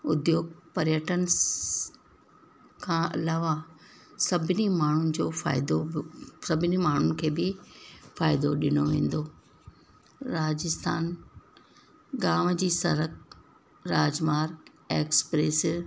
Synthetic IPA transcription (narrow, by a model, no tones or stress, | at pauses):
ʊd̪joːɡ̚pɐɾjəʈənɪ̆ | kʰãːɐ̰laːʋa | sɐbʱɪnimaːɳ̤ʊnɪ̆d͡ʑoːfa̰ːɪd̪osɐbʱɪnimaːɳ̤ʊnɪ̆kʰeːbɪfaːɪd̪oɗɪnoʋẽːn̆d̪oː | ɾaːd͡ʑɪst̪ʰa̰ːn | ɡaːmd͡ʑiːsɐɾək̚ | ɾaːd͡ʑmaːɾk | eːkspɾeːs